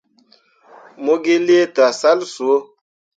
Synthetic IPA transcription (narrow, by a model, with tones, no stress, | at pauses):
mo˦ɡe˦le˦ta˨sa˦lsu˨o˦